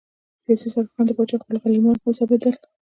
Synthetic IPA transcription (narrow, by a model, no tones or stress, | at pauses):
sijɑsisaɾxɑnd̪əpɑt͡ʃɑxpəlxalimɑt̪mɪsɑbed̪əl